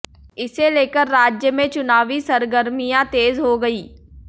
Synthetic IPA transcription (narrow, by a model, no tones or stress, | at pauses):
ɪseleːkəɾːaːd͡ʒjəmẽt͡ʃʊnaːʋisəɾɡəɾmijãt̪eːzɦoɡɐiː